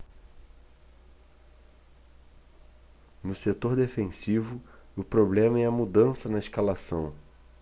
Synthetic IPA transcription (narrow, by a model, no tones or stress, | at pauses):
nʊset̪oɾd̪efẽsivʊʊpɾoblẽmɐɛɐmud̪ɐ̃sɐnɐɪʃkalasɐ̃w̃